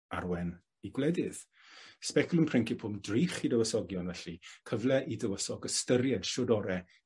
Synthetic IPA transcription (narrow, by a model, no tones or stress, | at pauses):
a̰rwɛn | iɡwlɛdɪð | spɛkʰlˠʊmpʰrɪŋkɪpʰʊmdriːχidəwəsɔɡjɔnvɛɬikʰəvlɛʔidəwəsɔɡəstəɾjɛd̥ʃodɔɾɛ